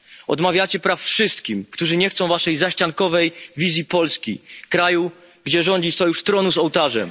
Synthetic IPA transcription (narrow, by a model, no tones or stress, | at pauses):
ɔ̰d̪mavʲjat͡ɕɛpɾafːʂɘst̪kʲimkt̪uʐɘɲɛxt̪sɔ̃w̃vaʂɛjzaɕt͡ɕaŋkɔvɛjvʲizʲjipɔlskʲḭkɾaju | ɡd͡ʑɛʐɔɲd͡ʑisɔjuʂt̪ɾɔnuzɔwt̪aʐɛm